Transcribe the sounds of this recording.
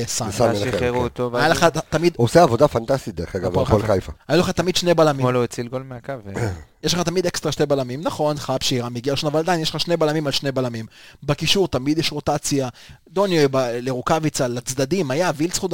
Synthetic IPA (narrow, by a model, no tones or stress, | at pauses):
sasameʁut̪ovajaleχat̪amid̪oseavod̪afant̪ast̪it̪̚d̪eχeɡavoolkajfaajuleχat̪amid̪ʃnebalamimoloet͡silɡolmeakavjeʃleχat̪amid̪ekst̪ʁaʃtebalamimnaχo̞nχapʃeiʁamiɡialeʃonavalad̪ajnjeleχaʃne̞balamimalʃnebalamimbakiʃuʁt̪amid̪jɛʃʁot̪at͡sjad̪onjojbaleʁukavit͡salat͡sd̪ad̪imajavilsχud̪